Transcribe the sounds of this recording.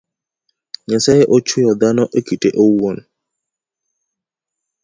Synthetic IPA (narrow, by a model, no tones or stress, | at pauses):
ɲɛsaeʔot͡ʃʰujɔd̪anɔʔekiteʔouwɔn